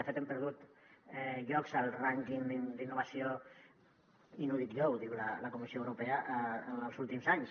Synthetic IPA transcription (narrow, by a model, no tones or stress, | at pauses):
əfet̪empəɾðut̪ɛʎɔkzəlˠraŋkiŋd̪iŋd̪inːuβasio | inuðit̪ʎowðiwlaləkumisioəwɾupeəʔnəlzulˠt̪imzaɲs